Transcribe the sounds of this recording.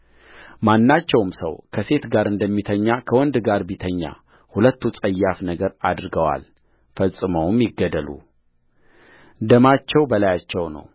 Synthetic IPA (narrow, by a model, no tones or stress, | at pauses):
manːat͡ʃːɛwmsə̰wkʰəse̞t̪ɡaɾɨnd̪əmːit̪ʰəɲːakʰəwɔnd̪ɡaɾbit̪ʰəɲːa̰ | hulət̪ːut͡sʼəjːafnəɡəɾad̪ɾɨɡəwa̰l | fəsʼːɨməwmjɪɡːəd̪əlṵ | d̪əmat͡ʃːɛwbəlajat͡ʃːɛwnə̰w